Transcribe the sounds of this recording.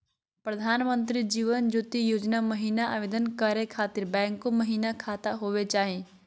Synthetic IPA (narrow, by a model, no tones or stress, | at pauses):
pɾəd̪ʱaːnmə̃nt̪̬ɾid͡ʒiːʋənd͡ʒut̪ijoːd͡ʒnaməɦiːnaʔaʋeːd̪ənkəɾekʰaːt̪ɪɾbɛ̃ːŋkːoməɦiːnakʰaːt̪aɦoːʋet͡ʃaːɦẽː